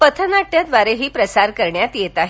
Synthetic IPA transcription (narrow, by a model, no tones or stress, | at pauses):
pət̪ʰənaʈːjad̪ʋaɾeɦiːpɾəsaɾkəɾɳjat̪jet̪aɦe